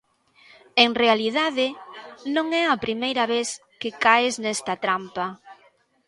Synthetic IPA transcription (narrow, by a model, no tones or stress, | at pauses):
eŋrealiðaðɪnõŋɛɐpɾimejɾɐβeθ | kɪkaɪznɛst̪ɐt̪ɾampɐ